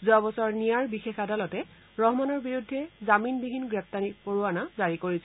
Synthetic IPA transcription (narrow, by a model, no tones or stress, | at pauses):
zuabɔsɔɹnijaɹbixexadalɔtɛ | ɹɔɦmanɔɹbiɹudʱːɛzaminbiɦinɡɹɛp̚ʰtanipoɹuanazaɹikoɹisɛ